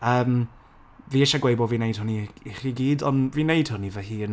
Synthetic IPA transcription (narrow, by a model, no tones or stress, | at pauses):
əːm | viːɛʃaɡwejbɔviːnejd̥hʊniiχiɡiːdɔ̰nviːnejd̥hʊnivɛhiːən